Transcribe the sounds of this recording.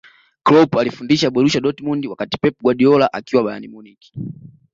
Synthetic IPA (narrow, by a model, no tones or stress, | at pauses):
klɔpalifundiʃaɓɛɾuʃaɗɔtimɔndiwakati̥pɛpuɡwaɗiɔlaʔakiwaɓajanimuniki̥